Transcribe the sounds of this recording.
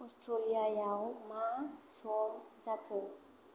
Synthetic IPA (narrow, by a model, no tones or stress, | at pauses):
ɔstɾoliajawmasɔmzakʰə